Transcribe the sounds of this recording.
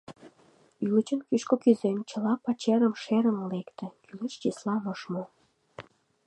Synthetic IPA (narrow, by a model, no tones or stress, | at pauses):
ylət͡ɕənkyʃkokyzent͡ɕəlɑpɑt͡ɕeɾəmʃeɾəmlekt̪ə̆kylət͡ɕt͡ɕislɑmoʃmo